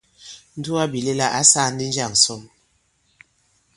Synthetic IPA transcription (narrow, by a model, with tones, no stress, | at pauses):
n̩˦du˦a˦bi˨le˦la˦ʔa˦sa˦˨˦n̩˦di˦n̩˦d͡ʒa˦˨ŋ˨sɔ˦˨m